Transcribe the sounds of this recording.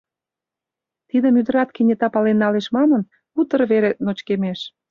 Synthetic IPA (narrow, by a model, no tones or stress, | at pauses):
t̪id̪ə̆myd̪ə̆ɾɑt̪̚kenʲet̪ɑpɑlenːɑleʃmɑmə̆n | ut̪ə̆rβeɾenot͡ɕkemeʃ